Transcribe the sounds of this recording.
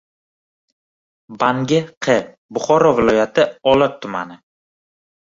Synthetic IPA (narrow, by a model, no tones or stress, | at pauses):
baŋɡʲɪqʰɨ | bʊχɒɾɒvɪlˠɒjat̪ʰɪɒlˠat̪ʰːʊma̰nɪ